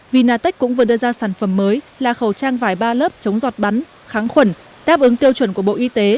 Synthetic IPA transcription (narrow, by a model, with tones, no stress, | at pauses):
vi˨˩naː˨˩t̪ə˦˥jk̚kʊ̰˧˥ŋ͡mvɨ˨˩ɗɨ˧əzaː˧saː˧˩nfə˧˩mːəː˨˦j | laː˨˩xə˨˩wt͡ɕaː˧ŋvaː˧˩jɓaː˧ləː˦˥p̚t͡ɕə˨˦wŋ͡mzɔ˨˩t̚ɓa˨˦n | xaː˨˦ŋxwə˧˩n | ɗaː˦˥p̚ʔɨ˨˦ŋt̪i˧əwt͡ɕwə˧˩nku˧˩əɓo̰˧˨ʔi˧t̪e˨˦